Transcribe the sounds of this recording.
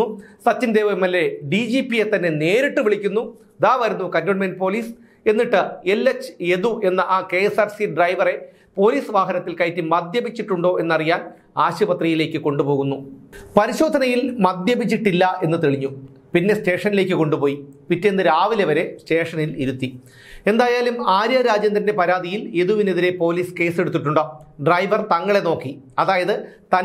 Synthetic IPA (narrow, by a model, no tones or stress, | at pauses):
usɐt͡ɕːind̪eːʋɐemːelːe̞ɖid͡ʑiːpijet̪ɐnːe̞ne̞ːɾiʈːɨʋiɭikʲːunːu | ɐðaːʋɐɾunːukɐndoːɳmenɖɨpo̞ːliːs | e̞nːiʈːɨelːet͡ɕːe̞ðuʔe̞nːɐʔaːke̞saːrsiɖrɐjʋɐre̞ | po̞ːliːsʋaːɦɐnɐt̪ːilkɐjtːimɐd̪jɐbit͡ɕːiʈːuɳɖo̞ːʔe̞nːɐrijaːn | aːɕɐbɐt̪rijile̞ːkːɨko̞ɳɖupo̞ːɣunːupɐɾiɕo̞ːd̪ʱɐnɐjilmɐd̪jɐbʱit͡ɕːiʈːilːɐe̞nːɨt̪eɭiɲːu | pinːeste̞ːʂɐnile̞ːkʲːɨko̞ɳɖupo̞ːjipitːenːɨɾaːʋileʋɐɾe̞ste̞ːʂɐniliɾut̪ːi | e̞nd̪aːjaːlumaːɾjɐɾaːd͡ʑjɐnd̪ɾɐnde̞pɐɾaːd̪ʱijileðuʋine̞ðiɾe̞po̞ːliːske̞ːse̞ɽut̪ːiʈːuɳɖoːɖrɐjʋɐrt̪ɐŋːɐɭe̞no̞ːkːiɐðaːjɐðɨt̪ɐ